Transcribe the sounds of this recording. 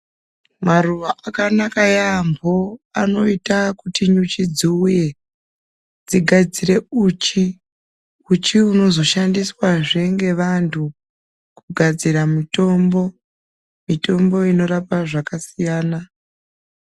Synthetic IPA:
maruʋaakanakajambʱoano̞itakutiɲut͡ʃid͡ziuje̞ | d͡ziɡʱad͡zire̞uːt͡ʃi | ut͡ʃiuno̞zo̞ʃandiswaʐe̞ŋɡe̞ʋantʰu | kuɡʱad͡ziɾamito̞mbo̞ | mito̞mbo̞ino̞ɾapaʐakasijaːna

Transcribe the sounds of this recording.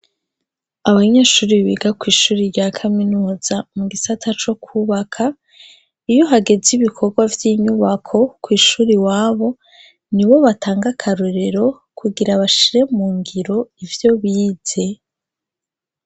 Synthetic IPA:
aβaɲe̞ːʃuːɾiβiɡakwiːʃuːɾiɾɟaːkʰaminuːz̥amuɡisatʰat͡ʃo̞kʰuːβakʰa | ijo̞ɦaɡe̞ziβikʰo̞ɾɡwavjiːɲuβakʰo̞kwiːʃuːɾiwaːβo̞ | niβo̞βatʰaːŋɡakʰaɾoɾeɾo̞ | kuɡiɾaβaʃiɾe̞muːŋɡiɾo̞ivjo̞βiːz̥e̞

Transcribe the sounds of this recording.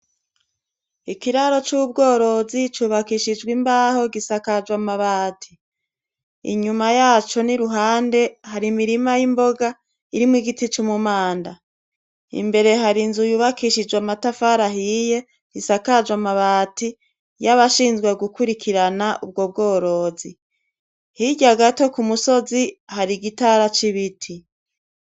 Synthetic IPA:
ikiɾaɾo̞t͡ʃub̚ɡo̞ːɾo̞zit͡ʃuːβakiʃid͡ʒɡwimbaːho̞ɡisakad͡ʒwamaβaːtʰi | ḭɲumajaːt͡ʃo̞niɾuɦaːnde̞haɾimiɾimajimbo̞ɡa | iɾimwiɡitit͡ʃumumaːnda | ḭmbe̞ɾe̞ɦaɾinzujuβakʰiʃid͡ʒwamatafaɾaɦije̞ | ɾisakad͡ʒwamaβaːti | jaβaʃiːnzɡwe̞ɡukuɾikʰiɾanaʔub̚ɡo̞b̚ɡo̞ːɾo̞ːzi | hiɟaɡato̞kumuso̞zihaɾiɡitaɾat͡ʃiβitʰi

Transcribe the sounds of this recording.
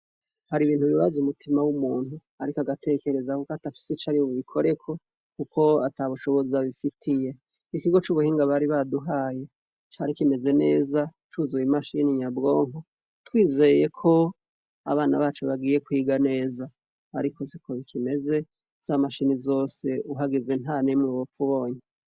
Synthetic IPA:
haɾiβiːn̥uβiβazumutʰimawumuːn̥hu | aɾikaɡatʰe̞ːke̞ɾe̞zakukatafi̥set͡ʃaɾiouβikʰo̞ɾe̞kʰo̞ | kukʰo̞ataβuʃo̞βo̞zaβifitʰije̞ | ikiɡo̞t͡ʃuβuhiːŋɡaβaɾiβaduɦaːje | t͡ʃaɾikime̞ze̞ne̞ːzat͡ʃuzujimaʃiniɲabɡo̞ːŋo | twiːze̞je̞kʰo̞ | a̰βaːnaβaːt͡ʃeβaɡiːje̞kwiːɡane̞ːza | a̰ɾikʰo̞zikʰoikʰime̞ze̞ | z̥amaʃinizo̞ːse̞uɦaɡeze̞n̥hanemuβofuβo̞ːɲe

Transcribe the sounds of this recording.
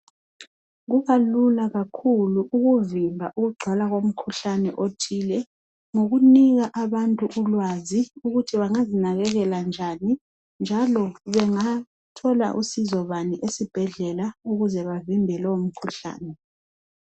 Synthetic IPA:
ɣuβalulaɣakʰuluʔuɣuvimbʱaʔuɣuɡ͡ǀʱwalaɣom̩kʰuɬanɛʔotʰiːlɛ | ŋoɣuniɣaʔaβantʼuʔulwaziuɣutʰiβaŋazinaɣɛɣɛland͡ʒʱani | nd͡ʒʱalɔβɛŋa | tʰɔla̰ʔusizɔβaniʔesib̥ʱɛɮɛlauɣuzɛβavimbʱɛlɔwom̩kʰuɬa̰ːnɛ

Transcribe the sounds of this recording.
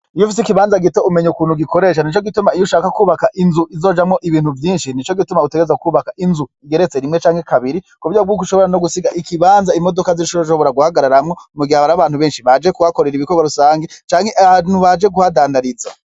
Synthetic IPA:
ijufis̬ikiβaːnzaɡiteumeɲukuːn̥uɡikʰo̞ɾe̞ːʃ̬anit͡ʃoɡitumaijuʃaːkakuːβakaʔinzuʔizo̞d͡ʒamŋoʔiβiːn̥huvjiːnʃinit͡ʃo̞ɡitumauteɡeezwaukuːβakaʔinzuiɡe̞ɾet͡seɾimŋe̞t͡ʃaːŋhe̞kʰaβiɾikuβuɾjabɡuːkuʃo̞βo̞ɾanoɡusiɡaʔikʰiβaːnzaimo̞do̞kaziʃoʃo̞βo̞ɾaɡuhaɡaɾaɾamŋo̞muɡiaβaɾaβaːn̥huβe̞ːnʃiβad͡ʒekuhako̞ɾeɾiβikoɡwaɾusaːŋɡet͡ʃaːŋ̥heʔanuβad͡ʒe̞ɡuhadaːndaɾiza̰

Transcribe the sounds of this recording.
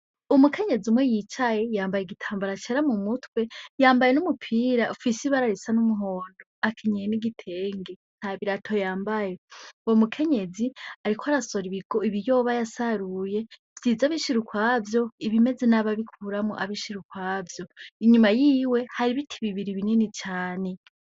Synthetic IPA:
umukʰe̞ɲe̞zumwejit͡ʃaje̞jaːmbajeɡitʰaːmbaɾat͡ʃeɾamumutwe̞jaːmbajenumupʰiːɾaʔufisiβaɾaɾisanumuɦo̞ːndo̞akʰeɲejeniɡitʰe̞ːŋɡen̥haβiɾatʰo̞jaːmbaje̞womukʰe̞ɲe̞ziaɾikʰoaɾaso̞ɾiβiɡ̥o̞iβijo̞ːβajasaɾuje̞v̥jiːzaβiʃiɾukwaːvjo̞iβime̞zenaβaβikʰuɾamo̰ʔaβiʃiɾukwaːvjo̞iɲumajiːwe̞haɾiβitʰiβiβiɾiβininit͡ʃaːne̞

